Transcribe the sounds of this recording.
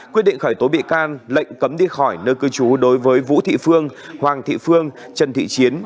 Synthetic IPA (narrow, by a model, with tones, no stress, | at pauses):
kwi˦˥ət̚ɗḭ˧˨ŋxɔː˧˩jt̪o˨˦ɓḭ˧˨kaː˧nlə̰˧˨jŋ̟kə˨˦mɗi˧xɔ˧˩jnəː˧kɨ˧t͡ɕu˨˦ɗo˨˦jvəː˨˦jvṵ˧˥t̪ʰḭ˧˨fɨ˧əŋhwaː˨˩ŋt̪ʰḭ˧˨fɨ˧əŋ | t͡ɕə˨˩nt̪ʰḭ˧˨t͡ɕi˨˦ən